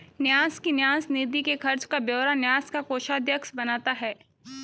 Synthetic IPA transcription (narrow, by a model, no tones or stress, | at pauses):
njaːskinjaːsniːd̪ikekʰɐɾt͡ʃkabjoːɾanjaːskakoːʃaːd̪jəksbɐnaːt̪aɦɛː